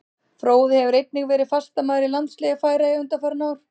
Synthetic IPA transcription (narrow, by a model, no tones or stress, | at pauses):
fɾoːwðɪhɛvʏɾejt̪̚nɪɣvɛːɾɪðfast̪amaːðɾɪlant̪slɛːɣafaːjɾaiʏnt̪afaɾnaːwɾ̥